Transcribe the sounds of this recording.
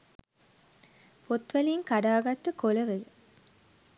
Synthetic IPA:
pʰot̪ʋæliːŋkaɖaːɡɐt̪ːɨkolɐʋed

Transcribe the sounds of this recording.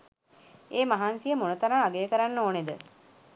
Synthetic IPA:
eːmaɦansijəmonət̪aɾaŋaɡejəkəɾanːoːned̪ə

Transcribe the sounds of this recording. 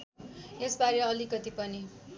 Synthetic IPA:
esbaɾjeʌlikʌt̪ipʌni

